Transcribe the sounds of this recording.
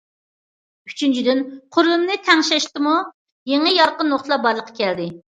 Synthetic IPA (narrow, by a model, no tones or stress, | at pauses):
yt͡ʃʰynt͡ʃʰid̪ɪnqʰʊɾlˠumnɨɪt̪ʰɛŋʃɛʃt̪ɨmu | jeŋəjɑɾqənːoχt̪əlˠɑbɑɾlˠəqʰːɑ̥kʲʰɛld̪ɪ